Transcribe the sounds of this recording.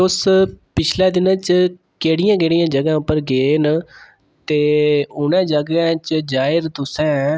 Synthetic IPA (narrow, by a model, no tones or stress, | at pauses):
ʊspɪt͡ʃʰlɛːd̪ɪnãːt͡ʃ | keːɽɪjãːkeːɽijãːd͡ʒəɡãːʊpːəɾɡeːn | t̪eːʊnɛ̃ːd͡ʒəɡɛ̃ːt͡ʃd͡ʒaːɪɾt̪ʊsɛ̃ː